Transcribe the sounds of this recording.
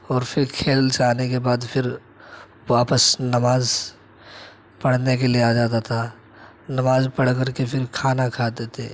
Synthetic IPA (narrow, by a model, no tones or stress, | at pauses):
ɔːɾpʰɪɾkʰeːlt͡ʃaːnekebaːd̪pʰɪɾ | waːpəsnɐmaːz | pɐɽ̤nek̬elieaːd͡ʒaːt̪at̪ʰa | nɐmaːzpəɽ̤kəɾkepʰɪɾkʰaːnakʰaːd̪eːt̪e